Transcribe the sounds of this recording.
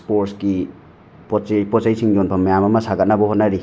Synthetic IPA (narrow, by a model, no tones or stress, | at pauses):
spoɾski | popot̚zɐjsiŋjonbʰɐmɐjamɐmɐsaɡɐt̚nɐbɐhot̚nɐɾi